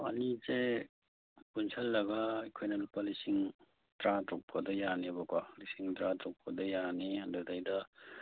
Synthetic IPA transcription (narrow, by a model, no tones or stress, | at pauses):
ɐ̰nize | punsʰɐlːɐɡɐːjkʰojnɐlupːɐlisiŋ | dɾatɔk̚ʰkʰɐdɐjaniɐbɐkwalisiŋdɾatɾɔk̚ʰkɐdɐjaniandudajdɐ